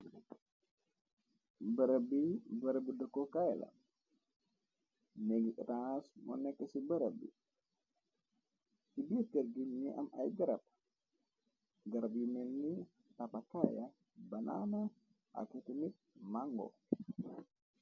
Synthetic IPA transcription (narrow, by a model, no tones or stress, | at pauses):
bəɾabibəɾəbidəkokajla̰ | neɡiʔɾasmo̰nekəsibəɾəbḭ | tibiəkəɾɡiniʔa̰ma̰jɡəɾap̚ | ɡəɾabiminːi | t̪apakaja | banʔa̰na | ʔa̰kit̪imit̪̚maŋɡo̰